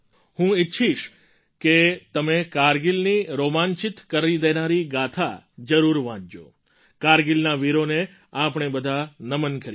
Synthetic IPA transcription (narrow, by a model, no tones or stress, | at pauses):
hũɪtːʃʰiʃ | ket̪əmekaɾɡilniɾomãɲt͡ʃit̪kəɾid̪enaɾiɡat̪ʰad͡ʒəɾuɾʋãd͡ʒd͡ʒo̰ | kaɾɡilnaʋiɾone | apɳ̃ebəd̪ʱanəmənkəɾ